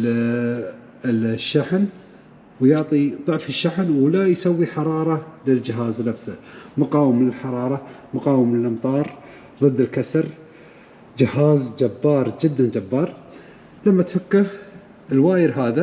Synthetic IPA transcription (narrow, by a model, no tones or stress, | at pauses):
ʃːaħn | wjʊʕt̪ˤiðˤʊʕfɪʃːaħnwlajsawːiħɑɾˤɑːɾˤɑlɪld͡ʒɪɦaːznafsamʊqɑːwəmlɪlħɑɾˤɑːɾˤɑmʊqɑːwəmlɪlʔɑmt̪ˤɑːɾˤ | ðˤɨd̪ːɪlkasɾ | d͡ʒɪhaːzd͡ʒabːɑːɾˤd͡ʒɪd̪ːand͡ʒabːɑːɾˤ | lamːat̪fakːah | ɪlwaːjɪɾɦaːða